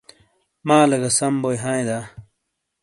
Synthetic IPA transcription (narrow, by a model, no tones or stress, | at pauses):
maːlɐɡɐsɐmbojɦãːĩd̪aː